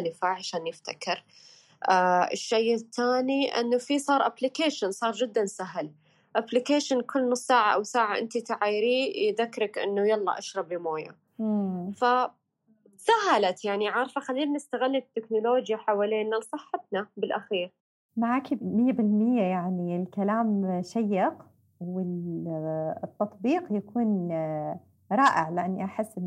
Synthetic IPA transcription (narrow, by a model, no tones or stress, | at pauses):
lɪfaʕaʃaːnjɪft̪akɪɾ | ʔaɪ̰ʃːejɪt̪ʰːaːniʔɪ̰nːufisˤɑːɾˤʔablɪkaːʃansˤɑːɾˤd͡ʒɪd̪ːansaɦl | ʔablɪkaːʃɪnkʰʊlːnʊsˤːaːʕaʔa̰wsaːʕaʔɪ̰nt̪it̪aʕajɾiːjðakːɾɪkʔɪ̰nːujɑlˤːɑ̰ʔaʃɾˤɑbimoːja̰ | fa | saɦalat̪jaʕniʕɑɾˤfaxalːiːlnɪst̪aɣɪlːat̪ːɪknʊloːd͡ʒjaħawaleːnalsˤɨħːɑt̪̚nabɪlʔaxiːɾ | maʕaːkimɪjːabɪlmɪjːajaʕniɪlkalaːmʃajːɪq | wɪl | t̪ːɑt̪ˤbiːqjakuːn | ɾˤɑːʔɪʕlɪʔanːiʔaħɪsːn